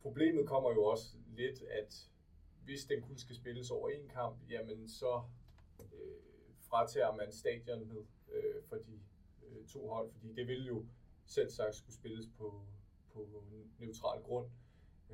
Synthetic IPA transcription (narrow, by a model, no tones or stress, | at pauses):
pʰʁo̝b̥le̝̰ːmð̩ˠkʰɒ̽m̰ɐjo̝ɒ̽səle̝d̥æd̥ | ʋe̝sd̥enkʰunəsɡ̥æsb̥e̝ləsɒʊɐe̝nkʰɑ̈m̰b̥jæmənsɒ̽ | ø | fʁɑ̈t͡sʰɛ̰ːɐmænsd̥ɛ̰ːd̥jɐnɦe̝ð̰ˠøfɒ̽d̥i | t͡sʰo̝̰ːɦɒ̽l̰fɒd̥ḭːd̥e̝ʋe̝ljo̝ | sel̰sɑ̈ɡ̥̚d̥sɡ̥usb̥e̝ləspʰɒ̽ | pʰɒ̽neʊt͡sʰʁɑ̰̈ːlɡ̥ʁɔ̽n̰